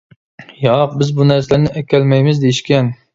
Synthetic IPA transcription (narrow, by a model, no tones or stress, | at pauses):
jɑq̚bɪzbunæɾslæɾnɪʔɛkʲʰɛlmɛjmɪzd̪ejiʃkʲɛn